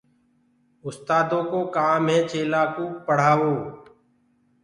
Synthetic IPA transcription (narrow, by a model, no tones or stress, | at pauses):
ʊst̪aːd̪õːkoːkaːmɦɛ̃ːt͡ʃeːlaːkoːpəɽ̤aːʋoː